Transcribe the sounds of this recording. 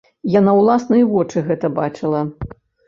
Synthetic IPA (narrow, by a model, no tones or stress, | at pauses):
janawlˠasnɐjivɔt͡ʂɨɣɛt̪ɐbat͡ʂɨlˠɐ